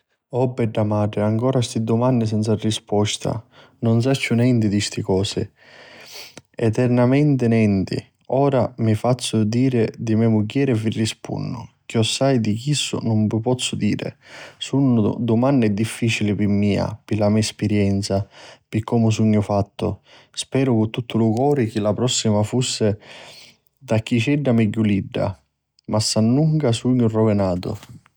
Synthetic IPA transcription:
ɔbːɛɖːamaːɖɾɪaŋkɔːɾast̪id̪ʊmanːɪs̬ɛnt̪sarːispɔst̪ʰa̰ | nʊns̬at͡ʃːʊnɛnt̪ɪd̪ist̪ɪkɔːsɪ̰ | ɛt̪ɛɾnamɛnt̪ɪnɛnt̪ɪ̰ | ɔːɾamifat̪sːʊd̪iːɾɪd̪imɛmuɡjɛːɾɛvirːispṵnːʊk̟jɔsːajd̪ikisːʊ̰nʊmpɪpɔt̪sːʊd̪iːɾɪ̰sunːʊ̰d̪ʊmanːɛd̪ːifːiːt͡ʃilɪpɪmːiːa̰pɪlamiːɛspɪɾjɛnt̪sapɪkʰːɔmʊs̬uɲːʊfat̪ːʊ̰ | spɛːɾʊkʊt̪ːut̪ːʊlʊkɔːɾɪk̟ɪlapɾɔsːimafusːɪ | d̪akːit͡ʃɛɖːamɛɟːuliɖːa̰ | masːanːuŋkasuɲːʊrɔvɪnaːt̪ʊ̰

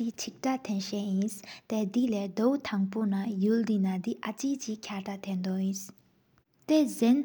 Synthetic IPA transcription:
it͡ɕʰik̚ʈ͡ʂat̪ʰɛnɕɛʔjinst̪ɛd̪ilɛːd̪owt̪ʰaŋponajuld̪inad̪iʔat͡ɕiʔt͡ɕiʔkʰaʈ͡ʂat̪ʰɛnd̪oʔjis | t̪ezɛn

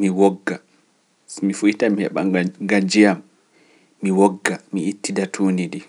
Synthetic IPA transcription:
miwɔɡːa | mifujitamihɛɓaŋɡad͡ʒijamː | iwɔɡːamiitːidatʰuːnidi

